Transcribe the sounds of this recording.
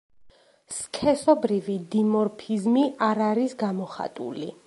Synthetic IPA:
skʰɛsɔbɾivid̪imɔɾpʰizmiʔaɾaɾisɡamɔχa̰t̪ʼṵli

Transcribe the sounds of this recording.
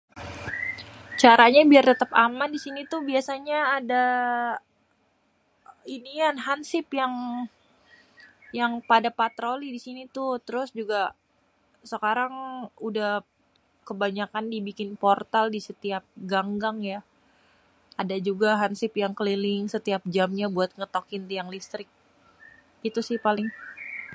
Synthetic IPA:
t͡ʃaɾaɲabiart̪ət̪əpamandisinit̪ubiasaɲaːda | inianɦansɪpjaŋ | jaŋpadapat̪ɾolidisinit̪ʊt̪əɾʊsd͡ʒuɡa | səkaɾaŋudah | kəbaɲakandibikɪnport̪aldisət̪iap̚ɡaŋɡaŋja | adad͡ʒuɡaɦansɪpjaŋkəlilɪŋsət̪iap̚d͡ʒamɲabuat̪̚ŋət̪okɪnt̪iaŋlist̪ɾɪk̚ | it̪usɪhpalɪŋ

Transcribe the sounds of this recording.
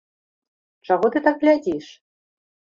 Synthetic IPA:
t͡ʂaɣɔt̪ɨt̪aɡɣlʲad͡zʲiʂ

